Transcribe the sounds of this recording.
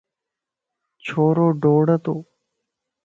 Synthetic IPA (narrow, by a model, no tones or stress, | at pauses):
t͡ʃʰoːɾoːɖoːɽət̪oː